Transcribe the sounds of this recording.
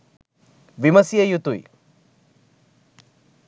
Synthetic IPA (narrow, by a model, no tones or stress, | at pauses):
ʋimɐsjɐjut̪uḭ